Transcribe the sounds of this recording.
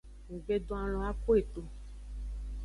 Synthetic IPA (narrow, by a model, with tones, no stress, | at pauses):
ŋ̩˨ɡ͡be˦dõ˦a˨l̃ɔ̃˨˦a˦ko˦e˨t̪o˨